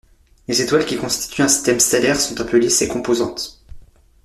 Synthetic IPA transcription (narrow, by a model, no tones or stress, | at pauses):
lezet̪walkʲikɔ̃st̪i̥t̪ʰyɛ̃si̥st̪ɛmst̪elɛʁsɔ̃t̪ɛ̃pølisekɔ̃pozɑ̃t̪